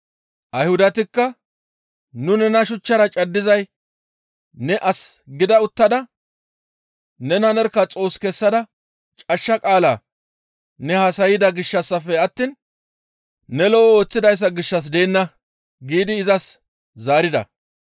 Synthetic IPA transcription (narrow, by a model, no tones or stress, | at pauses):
ʔɐjhʊd̪ɐt̪ɪkːɐ | nʊnɛnɐʃʊt͡ʃːɐɾɐt͡ʃʼɐd̪ːɪzɐj | nɛʔɐsɡɪd̪ɐʊt̪ːɐd̪ɐ | nɛnɐnɛɾkːɐt͡sʼo̞ːskɛsːɐd̪ɐ | t͡ʃʼɐʃːɐkʼaːlaː | nɛhɐsɐjɪd̪ɐɡɪʃːɐsːɐfɛɐt̪ːiːn | nɛlɔʔɔo̞ːt͡sːɪd̪ɐjs̬ːɐɡɪʃːɐs̬d̪e̞ːnːɐ | ɡiːd̪ɪːzɐs | zaːɾɪd̪ɐ̰